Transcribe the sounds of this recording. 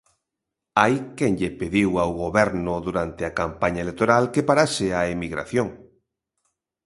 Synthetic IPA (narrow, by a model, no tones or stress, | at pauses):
ajkɛŋʎepeðiwawɣoβɛɾnʊðuɾant̪eakampaɲɐelek̚t̪oɾalkepaɾasɪaemiɣɾa̰θjoŋ